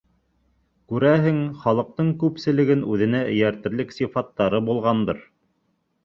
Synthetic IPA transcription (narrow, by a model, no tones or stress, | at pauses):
kʉɾæɦɘŋχɑlˠɤ̆q̚t̪ɤɴkʉpsɘ̆lɘ̆ɡɘnʉðɘ̆næʔɘ̆jæɾt̪ɘ̆ɾlɘksifɑt̪ːɑɾɤbulˠʁɑnd̪ɤɾ